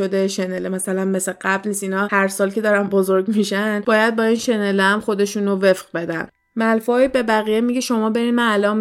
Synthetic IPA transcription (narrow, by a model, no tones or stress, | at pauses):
od̪eʃenelemæsælænme̞seɢæblniːsinɒːhæɾsɒːlcʰʲe̞d̪ɒːɾænbozoɾɡmiʃæn̚bɒːjæd̪̚bɒːiːnʃe̞neleæmχo̞d̪e̞ʃuːnove̞fɢbe̞d̪æ̰n | mælfɒːibe̞bæɣijemiɟeʃo̞mɒːbe̞ɾinmænælɒːm